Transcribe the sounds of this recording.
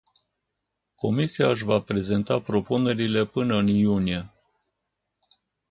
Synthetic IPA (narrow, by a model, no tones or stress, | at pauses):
ko̞misiaɨʃ̬vapɾe̞ze̞nt̪apɾo̞pune̞ɾile̞pɨnəɨnjunie̞